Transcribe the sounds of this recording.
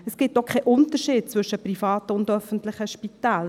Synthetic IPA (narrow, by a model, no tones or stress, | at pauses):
ɛsɡ̥ɪtdɔχkʰɛɪʔʊntəɾʃiːt̚t͡sʋvʏʃəprifɑːtəʊndœfən̩tlɪχəʃpitaːl